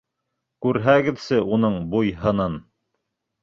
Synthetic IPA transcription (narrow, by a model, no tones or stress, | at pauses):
kʉɾɦæɡɘ̆ðsɘʔunɤɴbujɦɤ̆nɑn